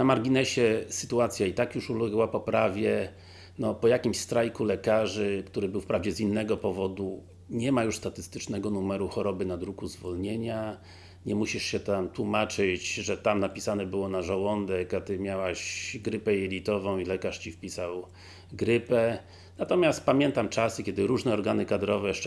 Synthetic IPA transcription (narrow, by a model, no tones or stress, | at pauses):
namaɾɡʲinɛɕɛsɘt̪uat̪sʲjait̪akjuʂulɛɡwapɔpɾavʲjɛ | nɔpɔjakʲimɕst̪ɾajkulɛkaʐɘkt̪uɾɘbɘwfpɾavd͡ʑɛzinːɛɡɔpɔvɔd̪u | ɲɛmajuʂst̪at̪ɘst̪ɘt͡ʂnɛɡɔnumɛɾuxɔɾɔbɘnad̪ɾukuzvɔlɲeɲa | ɲɛmuɕiʂɕɛt̪amt̪wumat͡ʂɘt͡ɕʐɛt̪amnapʲisanɛbɘwɔnaʐawɔnd̪ɛkat̪ɘmʲjawaɕɡɾɘpɛjɛlʲit̪ɔvɔ̃w̃ilɛkaʂt͡ɕifpʲisaw | ɡɾɘpɛ | nat̪ɔmʲjast̪pamʲjɛnt̪amt͡ʂasɘkʲɛd̪ɘɾuʐnɛɔɾɡanɘkad̪ɾɔvɛʂ